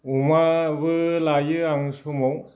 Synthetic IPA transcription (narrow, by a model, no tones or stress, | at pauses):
umabɯlajɯaŋsumɔw